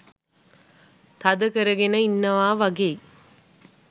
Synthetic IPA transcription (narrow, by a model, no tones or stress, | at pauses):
t̪ɐd̪əkəɾəɡenəinːɐʋaːʋɐɡej